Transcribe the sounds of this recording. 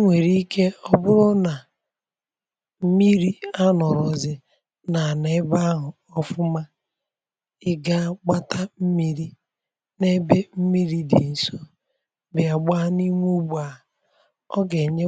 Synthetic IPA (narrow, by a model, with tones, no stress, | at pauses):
ŋʷe˨ɾi˦kʰe˦ɔ˦bʊ˦ɾʊ˦na˨ | m̩˦mi˦ɾi˦a˦nɔ˨ɾɔ˨zɪ˨ | na˨ne˦ba˦ɦʊ˨ | ɔ˦fʊ˦ma˦ | ɪ˦ɡa˦ɡ͡ba˦tʰa˦m̩˦mi˦ɾi˦ | ne˦be˦m̩˦mi˦ɾi˦dḭ˨n̩˨so˦ | bɪ˨a˨ɡ͡ba˦ni˦ŋʷu˦ɡ͡bu˨a˨ | ɔ˦ɡe˨ɲe˦